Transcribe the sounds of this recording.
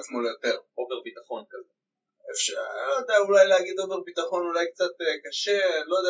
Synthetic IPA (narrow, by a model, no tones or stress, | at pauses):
t͡smolejo̞t̪e̞ʁo̞veʁbit̪aχo̞nkaze | efʃalojod̪ejaulajleaɡid̪oveʁbit̪aχo̞nulajk̚t͡sat̪ekaʃelojod̪